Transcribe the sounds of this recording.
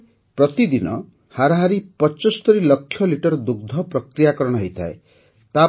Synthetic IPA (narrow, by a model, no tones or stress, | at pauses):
pɾɔt̪id̪inɔ̰ | haɾaɦaɾipɔt͡ʃɔst̪ɔɾilʌkʰːjɔliʈɔɾd̪uɡ̚d̪ʱɔpɾɔkɾijakɔɾɔɽ̃ɔɦɔjt̪ʰa̰e | t̪a